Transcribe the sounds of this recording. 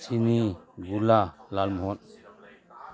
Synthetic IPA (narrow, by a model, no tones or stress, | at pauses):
sʰiniɡulalalmɦɔn